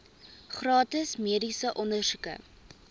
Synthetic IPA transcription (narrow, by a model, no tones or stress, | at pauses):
χrɑːtəsmiədisəʔɔndərsukə̰